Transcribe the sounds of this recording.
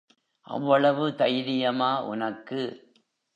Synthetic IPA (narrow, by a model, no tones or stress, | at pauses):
ʔɐ̰ʋːɐɭɐʋɯt̪ɐjɾɪjɐmaːʔʊ̰nɐkːɯ